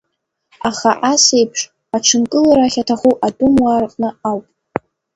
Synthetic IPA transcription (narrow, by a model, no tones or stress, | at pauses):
aχaʔasejpʰʂ | aʈ͡ʂʰɨnkʼɨlaɾaχʲatʰaχuʔadumwarqʼnɨawpʼ